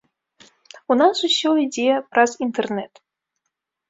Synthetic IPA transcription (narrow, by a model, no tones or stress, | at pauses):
unasusʲɔid͡zʲejɛpɾɐzint̪ɛrnɛt̪